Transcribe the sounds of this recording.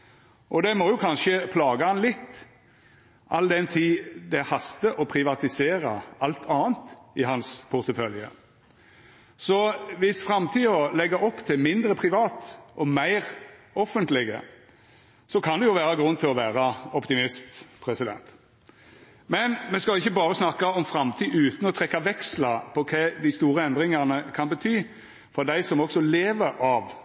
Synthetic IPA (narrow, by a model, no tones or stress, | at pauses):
ʔɔd̪ɛmɔjʊkʰɑnʃəpʰlɑːɡəɑnlɪt̪ː | ʔɑld̪ɛnt̪ʰiːd̪ɛhɑst̪əʔɔpʰɾɪʋɑt̪ɪseːɾɑʔɑlt̪ʰɑːənt̪ɪɦɑnspʰʊʁt̪əfœljə̰ | sɔʋɪsfɾɑmt̪ʰiːɔlɛɡːɑʔɔpt̪ʰɪlmɪnd̪ɾəpʰʁɪʋɑːt̪ʔɔmæɪʁɔfənt̪lɪɡə̰ | sɔkʰɑnd̪ɛjʊʋæːɾɑɡɾʉnːt̪ʰɪlɔʋæːɾɑɔpt̪ɪmɪst̪pʰɾɛsɪd̪ɛ̰nt̪ | mɛnmɛskɑlʊɪçːəbɑːɾəsnɑkːɑɔmfɾɑmt̪ʰiːʔʉːt̪n̩ɔt̪ʰɾɛkːɑʋɛkslɑpʰɔkʰɛːd̪æɪst̪uːɾəɛnd̪ɾɪŋɑʁnəkʰɑnbət̪ʰyː | fɔɾd̪æɪsɔmɔɡsɔleːʋəɾɑʋ